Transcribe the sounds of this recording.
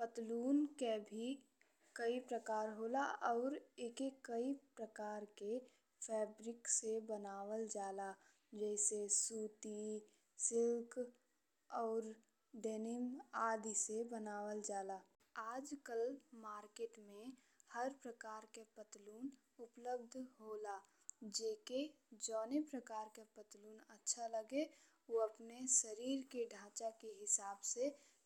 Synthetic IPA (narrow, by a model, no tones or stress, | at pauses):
pət̪luːnkebʱi | kəipɾəkaːɾɦoːlaʔɔːɾeːkekəipɾəkaːɾke | fʰɛːbɾɪksebənaːʋəld͡ʒaːla | d͡ʒɛɪsesuːt̪i | sɪlk | ɔːɾ | ɖenɪmaːd̪ʱisebənaːwəld͡ʒaːlaː | aːd͡ʒkəlmaːɾkeːʈmẽ | həɾpɾəkaːɾkepət̪luːn | ʊpləb̚d̪ʱɦoːla | d͡ʒeːke | d͡ʒɔːnepɾəkaːɾkepət̪luːnətːʃʰaləɡe | oəpnesəɾiːɾkeɖʱãːt͡ʃakeɦɪsaːbse